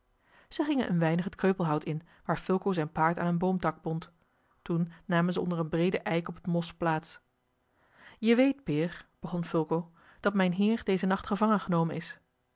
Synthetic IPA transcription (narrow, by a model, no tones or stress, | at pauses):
z̥əχɪŋə̰nʔə̰nʋɛjnəχətkrøɥpəlˠɦʌwtɪn | ʋaːɹfʏlˠkowzɛjnpaːɹta̰ːnənbowmtɑɡ̚bɔnt | tunːaːmənzəɔ̰ndərənbrejdəʔɛjkɔpətmɔsplaːts | jəʋejt̚pɪːɹb̥əχɔnfʏlˠkow | d̥ɑtmɛjnɦɪːɹdejzənɑχtχəvɑŋənχənowmənɪs